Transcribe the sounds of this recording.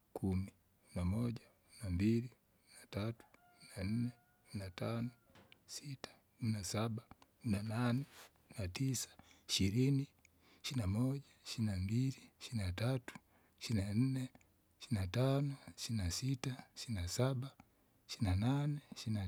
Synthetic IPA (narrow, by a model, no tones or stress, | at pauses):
kʰumi | inamɔʄa | minambilik | uminatatu̥ | minan̩nɛ | uminatanɔ | sitḁ | kuminasaɓa | minananɛ | natisḁiʃiɾini | ʃinamɔʄaʃiinambiliʃiɾinatatu̥ | ʃinan̩nɛ | ʃiinatanɔiʃiinasitaʃiinasaɓa | ʃiinananɛʃiina